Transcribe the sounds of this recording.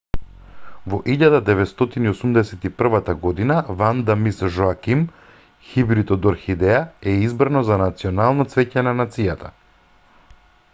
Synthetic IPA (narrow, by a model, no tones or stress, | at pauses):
vɔʔiʎad̪ad̪ɛvɛt̪st̪ɔt̪iniosumd̪ɛsɛt̪ipr̩vat̪aɡɔd̪inavand̪amisʒoakim | xibɾit̪ɔd̪ɔɾxid̪ɛaɛizbɾanɔzanat̪siɔnalˠnɔt̪svɛcɛnanat̪sijat̪ʰa